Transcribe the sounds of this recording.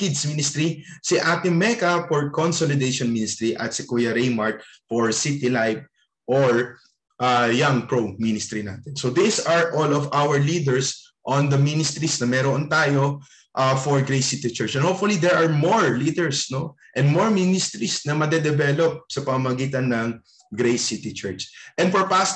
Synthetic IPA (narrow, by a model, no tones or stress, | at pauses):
kɪd̪sminɪst̪ɾisiʔat̪ɪmɛkɐfɔɹkonsolɪd̪eʃɔnminɪst̪ɾiʔɐ̰t̪sɪkujɐɾejmaɹt̪̚foɹsit̪ilajp̚ | ʔoɹ | ʔajaŋpɹominɪst̪ɾina̰ːt̪ɛnsod̪isɐɹʔolɔvʔawɛɹlid̪ɛɹs | ʔɔnd̪ɐminɪst̪ɾisnɐmɛːɾoʔont̪aːjo | ʔafɔɹɡɹejsit̪it͡ʃɛɹt͡ʃɛ̃nhowp̚fʊlid̪ɛɹʔɐɹmoɹliːd̪ɛɹsno | ʔɛ̃nd̪moɹminɪst̪ɾisnɐmɐd̪ɛd̪ɛbɛlop̚sɐpɐmamɐɡiːt̪ɐnːɐŋ | ɡɾejsit̪it͡ʃɛɹt͡ʃʔɛ̃nd̪fɔɹpast̪